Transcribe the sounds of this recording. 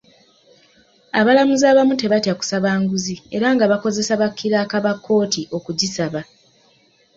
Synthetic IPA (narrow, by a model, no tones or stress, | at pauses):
aβalamuzaːβamute̞βatjaku̥saβaːŋɡuzie̞ɾaŋɡaβako̞ze̞saβakʰːiɾaːkaβakːo̞ːtiʔo̞kuɟisaβa